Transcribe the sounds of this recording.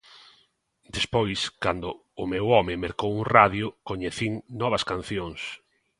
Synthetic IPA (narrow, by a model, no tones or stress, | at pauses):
d̪espojskand̪ʊ | ʊmewɔmɪmeɾkowuŋraðjʊkoɲeθiŋnɔβ̞ɐskan̟θjoŋs